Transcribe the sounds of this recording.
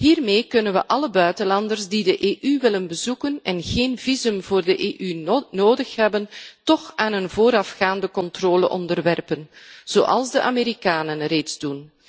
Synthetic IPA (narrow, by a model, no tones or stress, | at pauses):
ɦiːrmeːkɵnənʋə̰ʔɑləbœɥtənlɑndərzdidəʔeːʔyʋɪlənbəzukənɛnɣeːnvizɵmvoːrdəʔeːʔynoːdəxɦɛbəntɔxaːnənvoːɾɑfxaːndəkɔntroːlə̰ʔɔ̰ndərʋɛrpənz̥o̰ːʔɑ̰lˠzdəʔaːmeːɾikaːnənreːtzdun